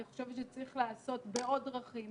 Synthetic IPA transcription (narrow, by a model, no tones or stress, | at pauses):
iχoʃevet̪ʃet͡sʁiχlaːso̞t̪beo̞dʁaχi